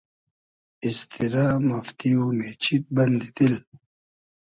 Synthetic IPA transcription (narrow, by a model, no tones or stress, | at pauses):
ist̪iɾaːmɐft̪iumet͡ɕʰit̪̚bɐnd̪it̪il